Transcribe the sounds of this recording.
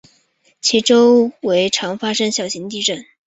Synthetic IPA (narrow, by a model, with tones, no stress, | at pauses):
t͡ɕʰi˧˥ʈ͡ʂo˥ʊwe˧˥ɪʈ͡ʂʰɑ˧˥ŋfa˥ʂə˥ŋɕjɑ˨˩ʊɕi˧˥ŋt̪i˥˧ʈ͡ʂə˥˩n